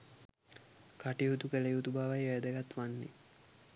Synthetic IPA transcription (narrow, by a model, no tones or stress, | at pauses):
kaʈiɦut̪ukəlejut̪ubaʋajejəd̪əɡat̪ʋanːḭ